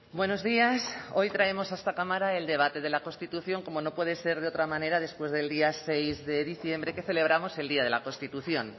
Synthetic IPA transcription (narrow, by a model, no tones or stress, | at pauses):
bweno̞zðiaso̞jt̪ɾae̞mo̞saest̪akamaɾae̞ld̪e̞β̞at̪e̞ð̞e̞lako̞st̪it̪uθjo̞ŋko̞mo̞no̞pwe̞ð̞e̞se̞ɾðeo̞t̪ɾamãne̞ɾaðe̞spwe̞zðe̞ld̪iase̞jzðe̞ðiθje̞mbɾe̞ke̞θe̞le̞β̞ɾamo̞se̞ld̪iaðe̞lako̞nst̪it̪uθjo̞n